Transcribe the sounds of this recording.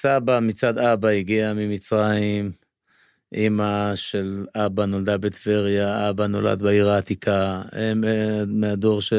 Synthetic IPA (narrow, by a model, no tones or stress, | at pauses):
sabamit͡sad̪abaiɡiamimit͡sʁaim | ʔimaʃe̞labano̞ld̪abet̪veʁjaabano̞̰la̰d̪beiʁaːt̪ikʰaemmead̪o̞ʁʃe